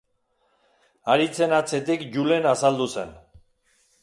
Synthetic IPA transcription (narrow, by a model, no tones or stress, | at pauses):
aɾit͡se̞nat͡se̞t̪ikʝule̞nasald̪use̞n